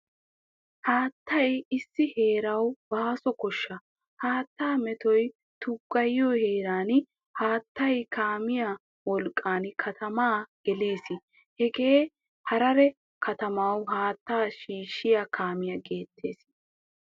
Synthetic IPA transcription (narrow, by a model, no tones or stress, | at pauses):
haːt̪ːɐjɪsːɪhe̞ːɾɐwbaːsɔkɔʃːɐ | haːt̪ːaːmɛt̪ɔj | t̪ʊɡːɐjːoːhe̞ːɾaːn | haːt̪ːɐjkʰaːmɪja | wɔlkʼːaːnkʰɐt̪ʰɐmaːɡ̥ɛle̞ːsɪ | hɛɡe̞ː | hɐɾɐɾɛ | kʰɐt̪ɐmawɦaːt̪ːaːʃiːʃːɪjakʰaːmɪjɐɡe̞ːt̪ʰːe̞̰ːs